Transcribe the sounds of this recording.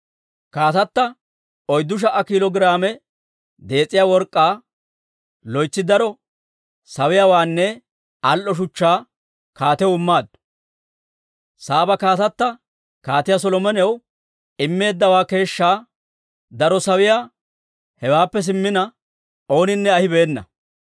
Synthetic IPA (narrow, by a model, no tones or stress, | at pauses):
kaːt̪ɐt̪ːɐ | ɔjd̪ːʊʃ̬ɐʔɐkilɔɡɪɾaːmɛ | d̪e̞ːt͡sʼːɪjaːwɔɾkʼːaː | lɔjt͡sːɪd̪ɐɾɔ | sɐwɪjaːwaːnːɛ | ɐlʔɔʃ̬ʊt͡ʃːaː | kaːt̪ɛwɪmːaːd̪ | saːbɐkaːt̪ɐt̪ːɐ | kaːt̪ɪjas̬ɔlɔmɛnɛw | ɪmːe̞ːd̪ːɐwaːke̞ːʃːaː | d̪ɐɾɔsɐwɪjaː | hɛwaːpːɛs̬ɪmːɪnɐ | o̞ːnɪnːɛɐhɪbe̞ːnːɐ̰